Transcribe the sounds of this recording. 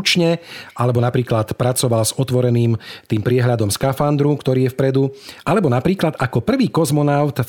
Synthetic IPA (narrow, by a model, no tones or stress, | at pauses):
t͡ʃɲɛalɛbɔnapɾiːklat̪pɾat͡sɔʋalzɔt̪ʋɔɾɛniːmt̪iːmpɾɪɛɦlʎad̪ɔmskafand̪ɾukt̪ɔɾiːjɛfpɾɛd̪uʔalɛbɔnapɾiːklad̪ʔakɔpr̩ʋiːkɔzmɔnaʊt̪